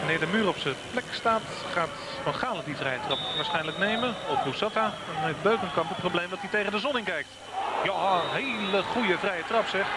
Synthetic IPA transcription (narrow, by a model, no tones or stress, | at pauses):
ʋanɪːɹdəmyːrɔpsəplɛkstaːt | χaːt | fɔnχaːlədivrɛjətrɑpʋaːɹsχɛjnələknejməɔfbusata | ɔnejtbøɥkənkɑmpəprowblejmdɔtitejɣəndəzɔnɪŋkɛjk̚t | jaɦeləχujəvrɛjətrɑpsɛχ